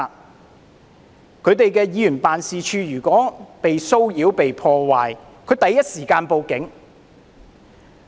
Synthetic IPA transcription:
kʰɵ˨˧ɥt̪e˨jkɛː˧jiː˨˧jyː˨˩npaː˨nsiː˨˧t͡ʃʰyː˧jyː˨˩kʷɔː˨˥pe˨jso˥wjiː˨˥wpe˨jpʰɔː˧waː˨j | kʰɵ˨˧ɥt̪ɐ˨˧jɐ˥t̚siː˨˩kaː˧npo˨˧wkɪ˨˥ŋ

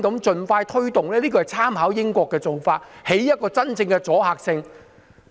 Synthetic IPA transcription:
kɐ˨˥mt͡ʃɵ˨nfaː˧jt̪ʰɵ˥ɥt̪ʊ˨ŋlɛː˥liː˥kɔː˧ɐ˨jt͡sʰaː˥mhaː˨˥wjɪ˥ŋkʷɔː˧kːɛː˧t͡so˨wfaː˧t̚he˨˥jjɐ˥t̚kɔː˧t͡sɐ˥nt͡sɪ˧ŋkɛː˧t͡sɔː˨˥haː˨k̚sɪ˧ŋ

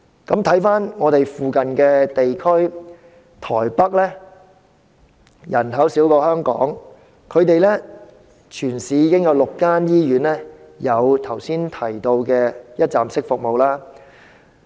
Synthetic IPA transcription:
kɐ˨˥mt̪ʰɐ˨˥jfaː˥nŋɔː˨˧t̪e˨jfuː˨kɐ˨nkɛː˧t̪e˨jkʰɵ˥ɥ | t̪ʰɔː˨˩jpɐ˥k̚lɛː˥ | jɐ˨˩nɦɐ˨˥wsiː˨˥wkɔː˧hœː˥ŋkɔ̰ː˨˥ŋ | kʰɵ˨˧ɥt̪e˨jlɛː˥ | t͡ʃʰyː˨˩nsiː˨˧jiː˨˧kɪ˥ŋjɐ˨˧wlʊ˨kːaː˥njiː˥jyː˨˥nlɛː˥ | jɐ˨˧wt̪ʰɐ˨˩wsiː˥nt̪ʰɐ˨˩jt̪o˧wkɛː˧jɐ˥t̚t͡sa̰ː˨msɪ˥k̚fʊ˨k̚mo˨wlaː˥

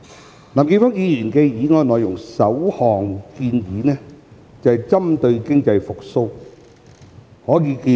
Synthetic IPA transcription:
laː˨˩mke˧fɔː˥ŋjiː˨˧jiː˨˩nkɛː˧jiː˨˥ŋɔː˧jnɔː˨jʊ˨˩ŋsɐ˨˥whɔː˨˩ŋkiː˧njiː˨˥nɛː˥ | t͡sɐ˨hɛ˨jt͡sɐ˥mt̪ɵ˧ɥkɪ˥ŋt͡sɐ˧jfʊ˨k̚so˥w | hɔː˨˥jiː˨˧ki˧

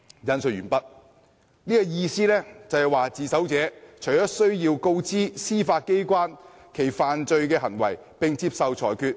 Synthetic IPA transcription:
jɐ˧nsɵ˨t̚jyː˨˩npɐ˥t̚ | niː˥kɔ˧jiː˧siː˥lɛː˥t͡sɐ˨whɛ˨jwaː˨t͡siː˨sɐ˨˥wt͡sɛː˨˥t͡ʃʰɵ˨˩jɔː˥sɵ˥ɥjiː˧wko˥wt͡siː˥siː˥faː˧t̚ke˥jkʷaː˥n | kʰe˨˩jfaː˨nt͡ʃɵ˧ɥkɛː˧ɦɐ˨˩nwɐ˨˩j | pɪ˨ŋt͡siː˧p̚sɐ˨wt͡ʃʰɔ̰ː˨˩jkʰyː˧t̚

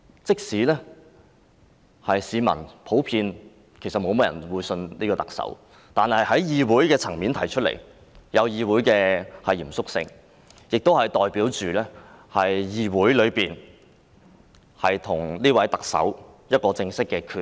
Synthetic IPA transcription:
t͡sɪ˥k̚siː˨˥lɛː˥ | hɐ˨jsiː˨˧mɐ̰˨˩npʰo˨˥wpʰiː˧n | kʰe˨˩sɐ˨t̚mo˨˧wmɔː˧jɐ̰˨˩nwuː˨˧jsɵ˧nniː˥kɔː˧t̪ɐ̥˨k̚sɐ̰˨˥w | t̪aː˨nhɐ˨jhɐ˨˥jjiː˨wuː˨˥jkɛː˧t͡sʰɐ˨˩ŋmiː˨˥nt̪ʰɐ˨˩jt͡ʃʰɵ˥t̚lḛ˨˩j | jɐ˨˧wjiː˨˧wuː˨˥jkɛː˧hɐ˨jiː˨˩msʊ˥k̚sɪ̰˧ŋ | jɪ˨k̚t̪o˥whɐ˨jt̪ɔː˨jpiː˨˥wt͡ʃyː˨lɛː˥hɐ˨jjiː˨˧wuː˨˥jlɵ˨˧ɥpiː˨n | hɐ˨jt̪ʰʊ˨˩ŋliː˥wɐ˨˥jt̪ɐ˨k̚sɐ̰˨˥wjɐ˥t̚kɔː˧t͡sɪ˧ŋsɪ˥kːɛː˧kʰyː˨˧

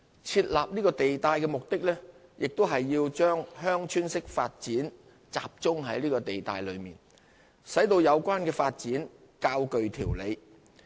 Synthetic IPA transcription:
t͡sʰiː˧t̚laː˨p̚niː˥kɔː˧t̪e˨jt̪aː˨˧jkɛː˧mʊ˨k̚t̪ɪ˥k̚lɛː˥jɪ˨k̚t̪o˥wɦɐ˨jːiː˧wt͡ʃœː˥ŋɦœː˥ŋt͡ʃʰyː˥nsɪ˥k̚faː˧t̚t͡siː˨˥n | t͡sa̰ː˨p̚t͡sʊ˥ŋɦɐ˨˥jliː˥kɔː˧t̪e˨jt̪a̰ː˨jlɵ̰˨˧ɥmḭː˨˩n | sɐ˨˥jt̪o˧wjɐ˨˧wkʷaː˥nkɛː˧faː˧t̚t͡siː˨˥n | kaː˧wkɵ˨ɥt̪ʰiː˨˩wle˨˧j

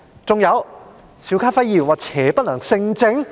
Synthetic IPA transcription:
t͡sʊ˨ŋjɐ˨˧w | sʰiː˨˥wkʰaː˥fɐ˥jiː˨˩nwaː˨˩t͡sʰɛː˨˥˦pɐ˥t̚lɐ˨˩ŋsɪ˧ŋt͡sɪ˧ŋ

